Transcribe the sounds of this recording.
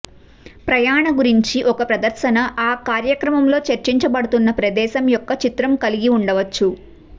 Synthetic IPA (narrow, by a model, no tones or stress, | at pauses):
pɾɐjaːɳɐɡuɾiɲt͡ʃiʔɔkɐpɾɐd̪ɐɾʃɐnɐʔaːkaːɾjɐkɾɐmɐmlo̞ːt͡ʃɐɾt͡ʃiɲt͡ʃɐbɐɽut̪unːɐpɾɐd̪ɛːʃɐmjɔkːɐt͡ʃit̪ɾɐmkɐliɡiuɳɖɐʋɐt͡ʃːu